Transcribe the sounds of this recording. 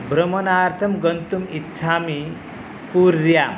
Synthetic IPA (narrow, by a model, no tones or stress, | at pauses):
bɾʌmʌnaːɾt̪ʰʌmɡʌnt̪umit̪t͡ʃʰaːmi | kuɾjam